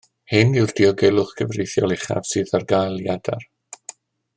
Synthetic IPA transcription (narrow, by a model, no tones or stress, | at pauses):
hɪnɪwrd̥iɔɡɛlˠʊχɡ̥ʰəvrejθjɔlˠɪχa̰v̥sɨːðarɡajlˠjada̰r